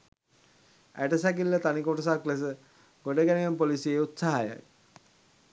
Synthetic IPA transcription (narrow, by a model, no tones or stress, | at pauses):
æ̰ʈəsæk̬ilːət̪anikoʈəs̬akles̬ə | ɡ̥oɖəɡæneempolisieut̪saɦaja̰k